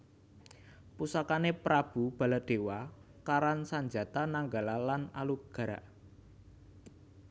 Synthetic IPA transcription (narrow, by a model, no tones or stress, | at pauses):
pusakanepɾab̥ṳb̥ä̤lad̪̥e̤wa | kaɾansaɲd͡ʒa̤t̪anaŋɡalalanaluɡ̥a̤ɾaʔ